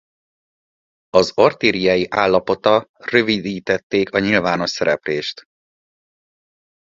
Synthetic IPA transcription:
ɒzort̪iːɾijɒjiʔaːlːɒpo̞t̪ɒrø̞vid̪iːt̪ɛt̪ːeːkɒɲilvaːno̞ʃsɛɾɛpleːʃt̪

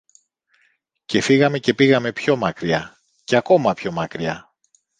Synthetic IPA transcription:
ce̞fiɣɐme̞ce̞piɣɐme̞pço̞mɐkɾiɐ | ceɐko̞mɐpço̞mɐkɾiɐ

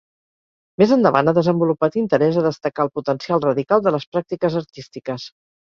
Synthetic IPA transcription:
mezənd̪əβa̰nəðəzəmbulupat̪int̪əɾɛzəðəst̪əkaːlˠput̪ənsialˠrəðikalˠd̪ələspɾak̚t̪ikəzəɾt̪ist̪ikəs

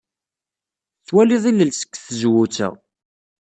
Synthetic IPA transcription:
θwæliðˤiləlsə̥kːθəzwut͡sæ̰ʁ

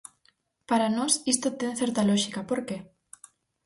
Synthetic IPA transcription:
paɾanosist̪ot̪eŋθeɾt̪aloʃikapoɾke

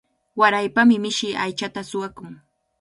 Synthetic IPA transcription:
waɾajpamɪmɪʃɪajt͡ʃat̪asʊwakʊŋ

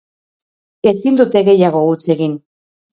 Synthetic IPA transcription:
e̞sind̪ut̪e̞ɣe̞jaɣo̞ut͡se̞ɣin

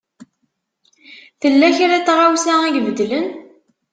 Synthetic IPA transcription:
θəlːæçɾæt͡sːʁawsaæʝvəd̪lən

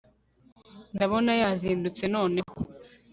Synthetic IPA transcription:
ndaβo̞najaziːndut͡se̞no̞ːne̞ho

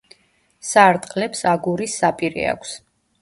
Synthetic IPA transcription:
saɾt̪ʼqʼlɛpsaɡuɾisːapʼiɾḭa̰kʷʰs

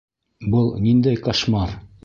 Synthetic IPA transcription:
bɤlˠnind̪æjqɑʃmɑɾ

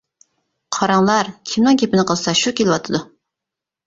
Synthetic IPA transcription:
qʰɑɾɑŋlˠɑɾkʲʰimnɨŋkʲepɪnɨqʰəlˠɨsɑʃukʲelɪwɑt̪ʰɨd̪u

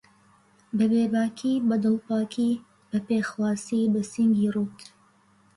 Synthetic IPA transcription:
bɐbeːbaːkʰibɐd̪ɨlˠpaːkʰi | bɐpexwaːsiːbɐsiŋɡiːruːt̪ʰ

